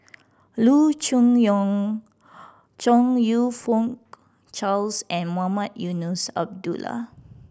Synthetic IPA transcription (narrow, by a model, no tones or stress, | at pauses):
lut͡ʃũŋjɔ̃ŋ | t͡ʃɔ̃ŋjufɔ̃ŋk | t͡ʃalsɛ̃nmamãt̚junusa̰b̚dula̰